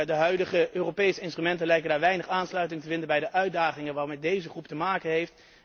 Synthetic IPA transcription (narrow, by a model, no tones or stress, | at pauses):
dəɦœɥdəχəøːrowpejsəɪnstrymɛntənlɛjkəndaːɹʋɛjnəχaːnslœɥtɪŋtəvɪndənbɛjdəʔœɥ̚daːχɪŋənʋaːmɛt̚dejzəχruptəmaːkənɦejft